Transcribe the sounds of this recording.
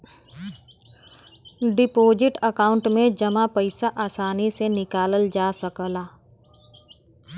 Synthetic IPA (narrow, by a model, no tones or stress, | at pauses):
ɖɪpoːd͡ʒɪʈəkaːʊ̃ɳʈmẽd͡ʒɐmapɐɪsaʔaːsaːnisenɪkaːləld͡ʒaːsəkəlaː